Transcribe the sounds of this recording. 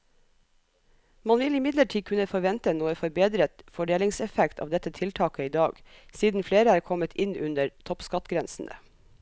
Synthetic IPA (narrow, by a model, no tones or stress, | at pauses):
mɑnʋɪlɪmɪd̪ləʈʰiːkʰʉnəfɔɾʋɛnt̪ənuːəfɔɾbeːd̪ɾət̪fɔɖeːlɪŋsɛfɛkt̪ʰɑ̰ʋd̪ɛt̪ət̪ʰɪlt̪ʰɑːkəiːd̪ɑːɡ̥siːd̪n̩fleːɾəæːɾkʰɔmət̪ʰɪnʉnəɾt̪ʰɔpskɑt̪ɡɾɛnsn̩ʔə̰